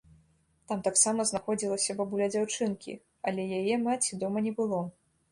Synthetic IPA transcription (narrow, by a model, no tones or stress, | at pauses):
t̪amt̪aksamɐznaxɔd͡zʲilˠɐsʲɐvabulʲɛd͡zʲawt͡ʂɨnkʲḭ | ɐlʲɛjajɛmat͡sʲid̪ɔmɐnʲɛbɨlˠɔ